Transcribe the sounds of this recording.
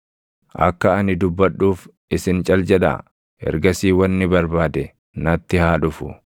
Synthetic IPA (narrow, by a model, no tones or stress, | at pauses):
ʔɐ̰kːɐɐnɪd̪ʊbːɐɗːuːf | ɪsɪnt͡ʃʼɐld͡ʒɛᶑɐ̰ | ɛ̰ɾɡɐsiːwɐnːɪbɐɾbaːd̪ɛ | nɐt̪ːɪhaːᶑʊfʊ̰